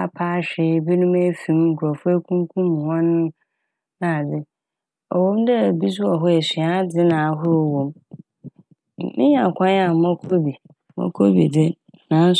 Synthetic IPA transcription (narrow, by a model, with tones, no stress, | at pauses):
a˦˨pʰaː˦ɕᶣɪ˨bɛ˦nũ˦me˦fĩ˨m˦ŋ̩˨kʰu˨ɾɔ˨fʊ˦e˦kʰũ˦ŋ˦kʰũ˦m˨hɔ̃˦nʊ̃˦ | nã˨dɪ˨ | ɔ˨wõ˦mdɛ˦˨bi˦su˦ɔ˨ɦʊ˦ɛ˨si˨a˨˦d͡zɪ˦nã˨a˨˦ɦʊ˦ɾɔ˨wõ˨m | mɪ̰̃˦ɲã˨kʷʰã˦n˦a˨mã˦kʰo˦bi˨˦ | ma̰˦kʰo˦bḭ˨dɪ˦ | nã˨˦n̩˦s